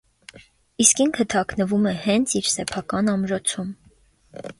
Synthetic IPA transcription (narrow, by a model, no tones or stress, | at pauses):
iskiŋkʰət̪ʰɑknəvumɛhɛnt͡sʰiɾsɛpʰɑkɑnɑmɾɔt͡sʰum